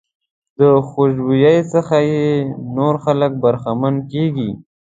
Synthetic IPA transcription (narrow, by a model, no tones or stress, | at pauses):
d̪̥əxoʃbujajsəxajenoɾxalək̚baɾxamankeɡi